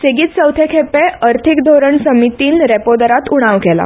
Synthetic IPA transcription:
seɡiːt̪səwt̪ʰekʰepẽəɾt̪ʰikd̪ʱoɾəɳsəmit̪iːnɾɛpod̪əɾat̪uɽ̃aʋkɛla̰

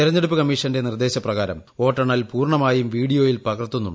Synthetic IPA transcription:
iɾɐɲːeɽupːɨkɐmːiːʂɐndenird̪e̞ːɕɐprɐɣaːɾɐ̰mo̞ːʈːɐɳɐlpuːrɳɐmaːjumʋiːɽijo̞ːjilpɐɣɐrt̪ːunːuɳɖ

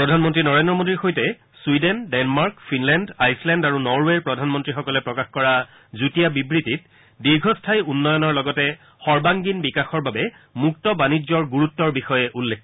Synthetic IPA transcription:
pɹɔdʱanmɔntɹinɔɹendɹɔmodiɹxojtɛ | swidɛndɛnmaɹkfʰinlɛndajslɛndaɹunɔɹweɹpɹɔdʱanmɔntɹixɔkɔlɛpɹɔkaxkɔɹa | zutijabibɹitit̚ | diɹɡʱɔstʰajunːɔjɔnɔɹlɔɡɔtɛ | xɔɹbaŋɡinbikaxɔɹbabɛ | muk̚tɔbanizɔɹɡuɹutːɔɹbixɔjɛʔulːek

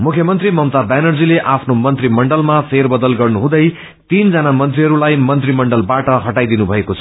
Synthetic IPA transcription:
mukʰjʌmʌnt̪rimʌmt̪abanʌrd͡zileʔapʰnomʌnt̪rimʌɳɖʌlmapʰerbʌd̪ʌlɡʌrnuɦũd̪ʌj | t̪ind͡zʌnamʌnt̪riɦʌɾulajmʌnt̪rimʌɳɖʌlbaʈʌɦʌʈajd̪inubʱʌekot͡sʰʌ

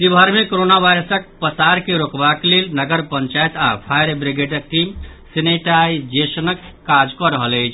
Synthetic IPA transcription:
sibʱəɾmekoɾonaʋajɾəsək̚pəsaɾkeɾokbaklelnəɡəɾpənt͡ʃajt̪a̰pʰajɾbɾiɡeɖək̚ʈimseneʈajd͡ʒesənəkːad͡ʒkɔɾəɦələjt͡ʃʰ

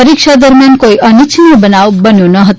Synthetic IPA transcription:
ʌɾik̚t͡ʃʰad̪ʌrmjankoiʔʌnit͡sʰinʌbʌnawbʌnjonʌɦʌt̪

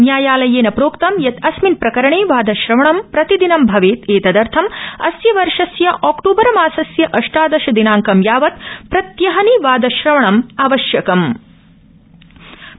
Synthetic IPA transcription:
njaːjaːlɐjeːnɐpɾoːkt̪ɐmjɐt̪ɐsminpɾɐkɐɾɐɳeːʋaːd̪ɐʃɾɐʋɐɳɐmpɾɐt̪id̪inɐmbʱɐʋeːt̪eːt̪ɐd̪ɐɾt̪ʰɐmɐsjɐʋɐɾʂɐsjɐʔaːkʈoːbɐɾɐmaːsɐsjɐʔɐʂʈaːd̪ɐʃɐd̪inaːŋkɐmjaːʋɐt̪̚pɾɐt̪jɐɦɐniʋaːd̪ɐʃɾɐʋɐɳɐmaːʋɐʃjɐkɐm

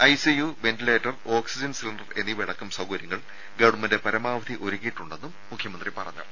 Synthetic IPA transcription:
ɐjsijuʋe̞ntile̞ːtːɐro̞ːksid͡ʑɐnsilnɖɐre̞nːiʋiɽɐkːumsɐwkɐɾjɐŋːɐɭ | ɡɐɽumɐnde̞pɐɾɐmaːʋɐd̪ʰʱiʔo̞ɾukːiʈːuɳɖe̞nːumːukʰjɐmɐnd̪ripɐrɐ̰ɲːɐ̰

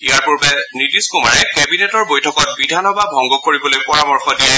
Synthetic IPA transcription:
ijaɹpuɹbɛnidiskumaɹɛkɛbinetɔɹbojtʰɔkɔt̚bidʱanɔbabʱɔŋɡɔkoɹibɔlojpɔɹamɔɹxɔdijɛ

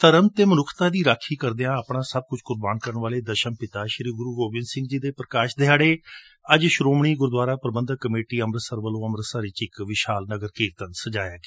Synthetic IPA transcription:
t̪əɾəmt̪eːmənʊkʰt̪aːd̪iːɾaːkʰiːkəɾd̪eːãːəpɳaːsəb̚kʊt͡ʃʰkʊɾbaːnkəɾəɳʋaːleːd̪əʃənpɪt̪aːʃəɾiːɡʊɾuːɡoːbɪnsɪ̃ŋɡd͡ʒiːd̪eːpɾəkaːʃd̪eɦaːɽeː | əd͡ʒʃɾoːmɳiːɡʊɾd̪ʋaːɾaːpɾəbənd̪əkəmeːʈiːəmɾəsəɾʋəlõːəmɾəsəɾɪːt͡ʃɪkʋɪʃaːlnəɡəɾkiːɾt̪ənsəd͡ʒaːjaːɡe

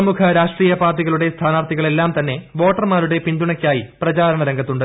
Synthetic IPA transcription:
ɐmukʰɐɾaːʂʈriːjɐpaːrʈːiɣɐɭuɽe̞st̪ʰaːnaːrt̪ʰiɣɐɭe̞lːaːmt̪ɐnːe̞ʋo̞ːʈːɐrmaːɾuɽe̞pind̪uɳɐkʲːaːjiprɐt͡ɕaːɾɐɳɐɾɐŋɡʱɐt̪ːuɳɖɨ

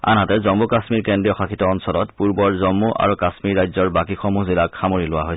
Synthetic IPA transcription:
a̰nɦatɛzɔmbukasmiɹkendijɔxakʰitɔɔnsɔlɔtpuɹbɔɹzɔmːuʔa̰ɹukasmiɹːajzɔɹbakixɔmuzilakʰːamoɹilʊwaɦojsɛ

